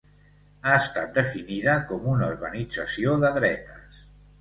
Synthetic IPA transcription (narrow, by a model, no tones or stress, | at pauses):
aəst̪at̪̚d̪əfiniðəkɔmunauɾβənid͡zəsioðəðɾɛt̪əs